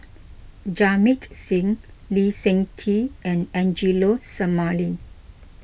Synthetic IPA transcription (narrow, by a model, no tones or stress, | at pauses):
d͡ʒamitsĩŋ | lisɛ̃ŋtʰiɛ̃nɛ̃nd͡ʒilosəmali